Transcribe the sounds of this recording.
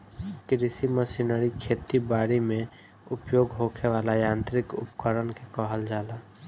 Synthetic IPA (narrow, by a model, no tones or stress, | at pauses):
kɾisiməsinəɾikʰet̪ibaːɾimẽ | ʊpjoːɡɦokʰeʋaːlajãːnt̪ɾɪkʊ̰pkəɾənkekəɦəld͡ʒaːla